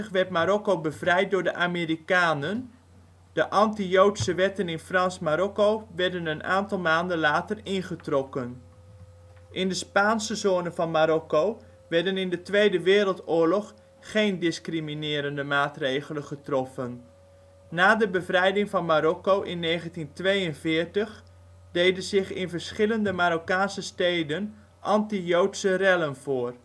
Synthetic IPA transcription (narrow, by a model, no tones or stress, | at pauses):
əχʋɛrtmaɾɔkobəvrɛjt̚dʊːɹdəʔamerikaːnən | d̥əʔɑntijowtsəʋɛtənɪnfrɑnsmaɾɔkowʋɛrdənənʔa̰ːntɑlˠmaːndənlaːtərɪnχətrɔkən | ʔɪndəspaːnsəzoːnənvɑnmaɾɔkow | ʋɛɹdənɪndətʋejdəʋɪːrəlˠtʊːɹlɔχ | χejndɪskriminɪːɾəndəmaːtrejɣələnχətrɔfənː | aːdəbəvrɛjdɪŋvɑnmaɾɔkowʔɪnːejχəntintʋejənvɪːɹtəχ | d̥ejdənzɪχɪnvəɹsχɪləndəmaɾokaːnsəstejdən | ʔɑntijowtsərɛlənvoːr